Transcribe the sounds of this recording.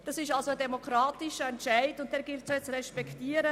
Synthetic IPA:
d̥ɑsɪʃalsoədɛmokɾɑːtɪʃəɛntʃaɪdʊnt̚d̥ɛːɾɡɪltsɛt͡srɛʃpɛktiːəɾə

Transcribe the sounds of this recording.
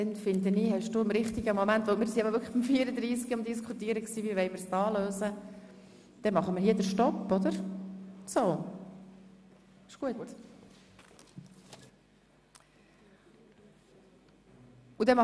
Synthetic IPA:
ɛnfɪnd̪əniːhɛʃd̥uːɪmɾɪχt̪ɪɡəmomænt̪ʋomɪːɾsiɛbəʋʏɾkχəχb̥imfiːɾəd̪ɾiːsɡiʊmd̪ɪskʰut̪iːɾəksiːviːʋɛɪmɪɾsdɑːløːsə | d̥ɛmɑχəmɪɾhiːədəɾʃtɔpːɔd̪əɾ | soː | ɪʃɡ̥uətt | ud̥ɛmɑ

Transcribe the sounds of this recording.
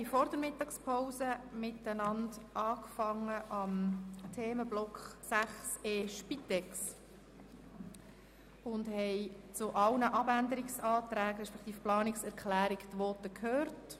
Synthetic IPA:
ɛɪjfɔɾd̪əɾmɪtːɑkspʰaʊzəmɪtənɑndʔɑːkfɑŋːəʔɑmt̪ʰeːməblɔkχsæχseːʃpit̪ɛks | ʊndhɛɪt͡sʊʔɑlnəʔɑbænd̪əɾɪksɑːt̪ɾæːɡɾɛʃpɛkt̪iːfplɑːnɪksɛɾkχlæːɾɪkt̪ʋɔːtəkʰhøːɾt

